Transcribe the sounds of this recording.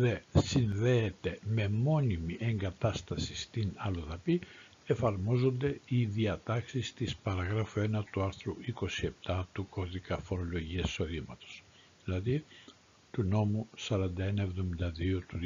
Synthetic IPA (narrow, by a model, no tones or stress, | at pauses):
ðe̞sinðe̞ːt̪e̞me̞mo̞nimiʔe̞ŋɡɐt̪ɐst̪ɐsist̪inɐloðɐpi | e̞fɐɾmo̞zo̞nd̪e̞iðiɐt̪ɐksist̪ispɐɾɐɣɾɐfoe̞nɐt̪uɐɾθɾuiko̞sie̞p̚t̪ɐt̪ukʰo̞ðikɐfo̞ɾo̞lo̞ʝiɐsi̥so̞ðimɐt̪o̞̥s | ðilɐði | t̪uno̞musɐɾɐnd̪ɐe̞nɐe̞vðo̞mind̪ɐðio̞t̪u